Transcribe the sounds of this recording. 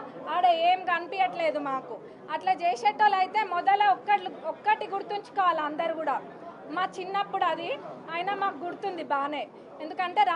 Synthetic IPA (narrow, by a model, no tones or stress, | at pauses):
aːɽeeːmɡɐnipijɐʈle̞ːd̪umaːku | ɐʈlaːd͡ʒeːjseːʈːoːlɐjt̪e̞ːmɔd̪ɐlɐɔkːɐʈɔkːɐʈiɡuɽut̪uɲt͡ʃu̥kɔːʋaːlɐnd̪ɐɾuɡuːɽaː | maːt͡ʃinːɐpːuɽɐd̪iaːjnɐmaːkuɡuɽut̪und̪ibaːneː | end̪ukɐɳʈe̞ːɾa